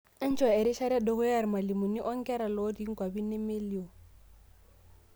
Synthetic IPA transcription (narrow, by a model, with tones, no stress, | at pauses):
ɛ˦n̩˦t͡ʃwa˨ɛ˨ɾi˦ʃa˦ɾa˦dʊ˨ɣʊ˦ja˦ɾma˨li˨mu˨ni˦ʔɔ˦ŋ̩˦kʼɛ˦ɾa˨lɔ˦di˨˦ŋ̩˦kwa˨bi˦nɛ˦me˦li˦ɔ˨